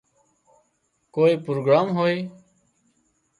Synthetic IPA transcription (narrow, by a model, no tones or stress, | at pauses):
koːiːpɾoːɡɾaːmɦoːiː